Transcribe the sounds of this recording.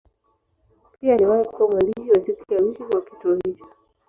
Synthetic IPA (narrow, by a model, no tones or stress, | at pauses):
piaːliwahiku̥kuwamaliɔsikiawikikakituɔhit͡ʃɔ̥